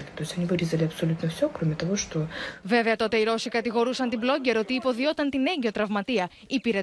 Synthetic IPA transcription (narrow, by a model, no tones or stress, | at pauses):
lʲɪt̪o̞ɪsʲɐnʲivɨɾʲizɐlʲɪɐpsɐlʲut̪nəfsʲo̞kɾomʲɪt̪ɐvo̞ʂt̪o̞ve̞veɐt̪o̞t̪e̞iɾo̞sikɐt̪iɣo̞ɾusɐnt̪iblo̞ɟe̞ɾo̞t̪iːpo̞ðio̞t̪ɐnt̪ine̞ɲɟe̞o̞t̪ɾɐvmɐt̪iɐ | ipiɾe